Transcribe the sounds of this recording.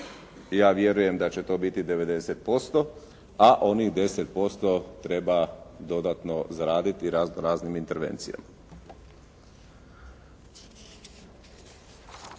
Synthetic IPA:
jaːʋje̞ɾuje̞md̪at͡ɕe̞t̪o̞ːbit̪id̪e̞ʋe̞d̪e̞set̪̚po̞st̪o̞ | aʔo̞niɣd̪e̞set̪̚po̞st̪o̞t̪ɾe̞bad̪o̞d̪at̪no̞zaɾaːd̪it̪iɾaznoɾaːznimint̪e̞ɾʋe̞̰nt̪sija̰ma

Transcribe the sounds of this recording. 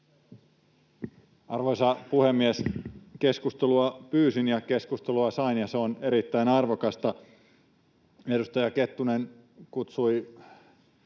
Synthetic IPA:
ɑrʋoisɑpuhemːieske̞skust̪eluɑpyːsinjɑke̞skust̪eluɑsɑinjɑseone̞ɾit̪ːæinɑrʋokɑst̪ɑ | edust̪ɑjɑke̞t̪ːunen | kut̪sui

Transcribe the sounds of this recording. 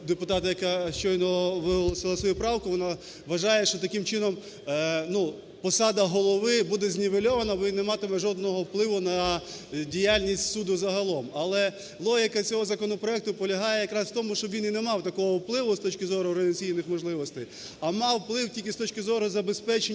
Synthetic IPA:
d̪epʊt̪ɑt̪ɐjɐkaʃt͡ʃɔjnɔʋɪɦɔlˠɔsɪlˠɐsʋɔjupɾɑwkʊʋɔna | ʋɐʒɑjɛʃt͡ʃɔt̪ɐkɪmt͡ʃɪnɔm | nu | pɔsɑd̪ɐɦɔlˠɔʋɪbud̪ɛzʲnʲɪʋelʲɔʋɐnɐʋinɛmɑt̪emɛʒɔd̪̚nɔɦɔwplˠɪʋʊnɐ | dʲijalʲnʲisʲtʲsud̪ʊzɐɦɐlˠɔmɐlˠɛ | lˠɔɦɪkɐt͡sʲɔɦɔzɐkɔnɔpɾɔɛk̚t̪ʊpɔlʲɐɦɑjɛjɐkɾɑswt̪ɔmʊʃt͡ʃɔbʋʲinɪnɛmɑwt̪ɐkɔɦɔwplˠɪʋʊst̪ɔt͡ʃʲkɪzɔɾʊrnɐt͡sʲijnɪxmɔʒlˠɪʋɔst̪ɪj | ɐmɑwplˠɪwtʲilʲkʲɪst̪ɔt͡ʃʲkɪzɔɾʊzɐbespɛt͡ʃe

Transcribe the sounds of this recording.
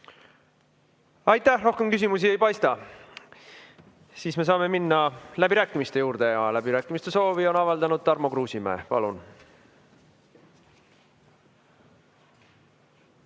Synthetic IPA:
ɑjt̪ˑːæhro̞hke̞mkys̬ʲimus̬ie̞jpɑjst̪ɑ | siːsme̞s̬ɑːme̞minːɑlæbiɾæːkːˑimist̪e̞juːɾd̪̥e̞ɑlæbiɾæːkːˑimist̪e̞so̞ːvio̞nɑvɑld̪ɑnud̪̥̚t̪ɑrmokruːsimæ̰ːpɑ̰lun

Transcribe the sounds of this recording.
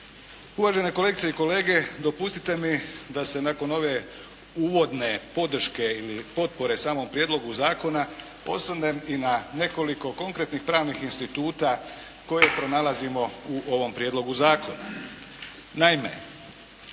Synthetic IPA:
uʋaːʒe̞ne̞kole̞ɡit̪eiko̞le̞ːɡe̞d̪o̞pust̪i̥t̪e̞mid̪ase̞nako̞no̞ʋe̞ | uːʋo̞d̪ne̞po̞d̪r̩ʃke̞ilipo̞t̪̚po̞ɾe̞saːmo̞mpɾjed̪lo̞ɡuzaːko̞na | o̞̰slane̞inane̞ko̞liko̞ko̞ŋkɾet̪nixpɾaːʋnixinst̪it̪uːt̪a | ko̞je̞pɾo̞nalˠazimo̞uʔo̞ʋo̞mpɾjed̪lo̞ɡuzaːko̞na̰ | naime̞̰

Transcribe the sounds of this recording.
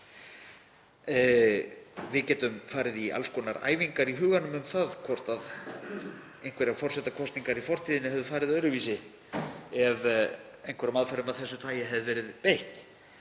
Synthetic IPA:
vɪðcɛːt̪ʏmfaːɾɪðia̰lskɔːnaɾa̰ːjviŋkaɾiɦʏːɣanʏmʏmθaðkʰvɔr̥t̪að | ejŋ̥kʰvɛɾafɔr̥sɛt̪akʰɔst̪niŋkaɾifɔr̥t̪ʰiːðɪnɪhɦɛvðʏfaːɾɪðœðɾʏviːsɪ | ɛv | ejnkʰvɛɾamaðfɛɾʏmaðθɛsːʏt̪ʰaːjɪɦɛvðɪvɛːɾɪðpeht̪

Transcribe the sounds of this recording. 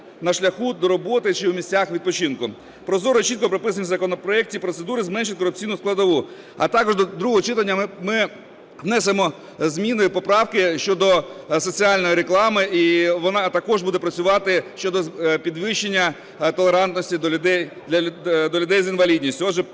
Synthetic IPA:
nɐʃlʲɐxud̪ɔɾɔbɔt̪ɪt͡ʃɪwmʲisʲt͡sʲaxʋʲid̪̚pɔt͡ʃinkʊ | pɾɔzɔɾɔt͡ʃit̪̚kɔpɾɔpɪsɐnʲizɐkɔnɔpɾɔɛk̚tʲipɾɔt̪sed̪uɾɪzmɛnʃɪt̚ʲkɔɾʊp̚t͡sʲijnʊsklˠɐd̪ɔʋu | ɐ̰t̪ɑkɔʒd̪ɔd̪ɾuɦɔɦɔt͡ʃɪt̪ɐnʲːɐmɪ | wnɛsemɔ | zmʲinɔjʊpɔpɾɑwkɪʃt͡ʃɔd̪ɔsɔt͡sʲiɑlʲnɔjiɾeklˠɑmɪiʋɔnɑt̪ɐkɔʒbud̪ɛpɾɐt͡sʲʊʋɑt̪ɪʃt͡ʃɔd̪ɔpʲid̪ʋɪʃenʲːɐ | t̪ɔlˠeɾɑnt̪nɔsʲtʲid̪ɛd̪lʲɐd̪ɔlʲʊd̪ɛjzinʋɐlʲid̪ʲnʲisʲtʲʊɔdʒɛ

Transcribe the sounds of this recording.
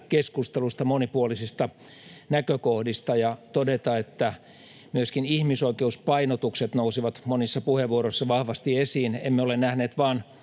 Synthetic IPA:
keskust̪elust̪ɑmonipuolisist̪ɑ | nækøkohdist̪ɑjɑt̪odet̪ɑet̪ːæ | myøskinihmisoikeuspɑinot̪ukset̪nousiʋɑt̪monisːɑpuheʋːuoroisːɑʋɑhʋɑst̪iesiːnḛmːeolenæhneːt̪ʋɑːn

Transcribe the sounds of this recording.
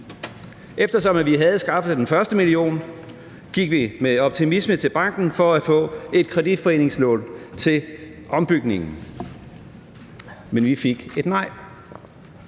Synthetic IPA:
ʔefd̥ɐsɒ̽mæʋiɦæð̞̩ˠsɡ̥ɑ̈fəd̥enfɶɐsd̥əmilio̝̰ːn | ɡ̥iɡ̥ʋimeɒ̽b̥̚t͡sʰimismət͡sʰe̝lb̥ɑ̈ŋ̰ɡ̥n̩fɒ̽æ̥fɔ̰̽ːe̝d̥̚kʰʁɛdid̥fɒe̝̰ːne̝ŋslɔ̰ːnt͡sʰe̝l | ʔɒ̽mb̥yɡ̥ne̝ŋn̩ | menʋife̝ɡ̥e̝d̥nɑ̈ɪ̰

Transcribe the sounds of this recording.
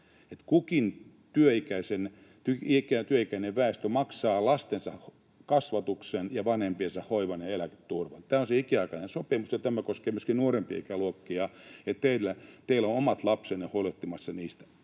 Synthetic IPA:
et̪kukin | t̪yøikæisen | t̪yikæt̪yøikæineʋʋæest̪ømɑksɑːlɑst̪ensɑh | kɑsʋɑt̪uksenjɑʋɑnhempiensɑhhoiʋɑneelæke̥t̪t̪urʋɑnt̪æːonseikiɑikɑnensopimusjɑt̪æmækoskeːmyøskinuorempiɑ̰ikæluokːiɑet̪t̪eilːæt̪eilonomɑt̪lɑpsenehoilot̪ːimɑsːɑniːst̪æ

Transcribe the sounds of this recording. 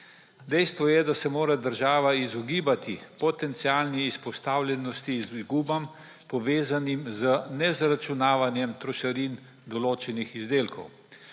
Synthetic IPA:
d̪ɛjst̪ʋɔjɛd̪asɛmoːɾad̪əɾʒaːʋaizɔɡiːbat̪ipɔt̪ɛnt̪siaːlniːspɔst̪aːwlʲɛnɔst̪iːziɡuːbam | pɔʋeːzanimzənɛzɾat͡ʃunaːʋanjɛmt̪ɾɔʃaɾin | d̪ɔloːt͡ʃɛnixizd̪eːlkɔ̰w

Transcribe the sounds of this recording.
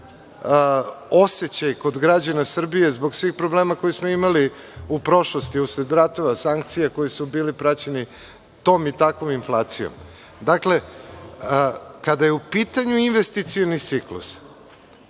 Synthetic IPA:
o̞set͡ɕajko̞d̪ɡɾad͡ʑanasr̩bije̞zbo̞ɡsʋixpɾo̞ble̞ːmakojismoimali | upɾo̞ʃlo̞st̪iusɾed̪ɾat̪o̞ʋasaŋk̚t̪sijako̞jisubiːlipɾat͡ɕeni | t̪o̞ːmit̪akʋo̞minflˠaːt̪sijo̰m | d̪akle̞ | kad̪ajeupit̪aɲuinʋe̞st̪it̪sijonit̪siklṵs

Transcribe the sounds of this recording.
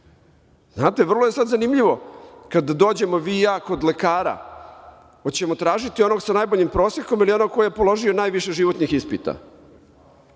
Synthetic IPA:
znaːt̪e̞ʋr̩lˠoje̞sad̪zanimʎiʋo̞kad̪d̪o̞ːd͡ʑe̞mo̞ʋiːjaːko̞d̪le̞kaːɾa̰ | ot͡ɕe̞mo̞t̪ɾaːʒit̪io̞no̞ɡsanajboʎimpɾoːsjeko̞milio̞no̞ɡ̚ko̞jejepo̞lo̞ʒio̞naːjʋiʃeʒiʋo̞t̪nixispit̪a̰

